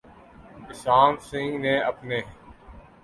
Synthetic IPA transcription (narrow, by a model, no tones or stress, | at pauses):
kɪsaːnsɪ̃ŋɡnẽːəpneː